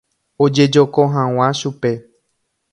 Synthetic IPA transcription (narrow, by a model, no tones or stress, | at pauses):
od͡ʒe̞d͡ʒokõɦãw̃ãʃupe̞